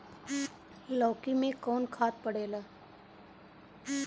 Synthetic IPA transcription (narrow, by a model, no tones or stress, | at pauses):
lɔːkimẽkɔːnkʰaːt̪̚pəɽeːlaː